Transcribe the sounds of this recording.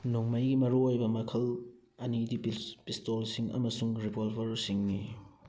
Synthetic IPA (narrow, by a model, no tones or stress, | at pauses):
nuŋmajɡimɐɾuojbɐmɐkʰɐl | ɐnidipistolsiŋɐ̰mɐsuŋɾipolbʱɐɾsiŋni